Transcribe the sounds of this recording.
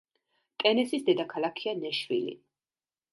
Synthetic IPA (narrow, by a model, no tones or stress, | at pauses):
t̪ʼɛnɛsisd̪ɛd̪akʰalˠakʰianɛʃvḭlḭ